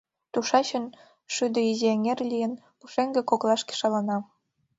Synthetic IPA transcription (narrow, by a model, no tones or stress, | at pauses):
t̪uʃɑt͡ɕən | ʃyd̪ə̆izieŋerlʲijə̆n | uʃeŋɡĕkoklˠɑʃke̥ʃɑlɑnɑ